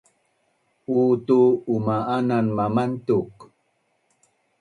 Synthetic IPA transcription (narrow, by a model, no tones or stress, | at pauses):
utuːmaʔananmamantuk